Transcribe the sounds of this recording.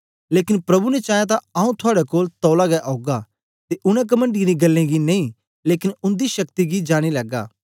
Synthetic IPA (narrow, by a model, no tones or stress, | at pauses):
leːkɪnpɾɐbunɛt͡ʃaːjat̪̬ãaːũt̪ʰʊaːɽɛkoːlt̪ɔːlaɡɛʔoːɡa | t̪eʔʊɽ̃ɛ̃k̬ɐmə̃ɳɖiɾiɡɐlːẽɡinẽĩ | leːkɪnʊ̃nd̪iʃɐkt̪iɡid͡ʒaːɽ̃ilɐɡa̰ː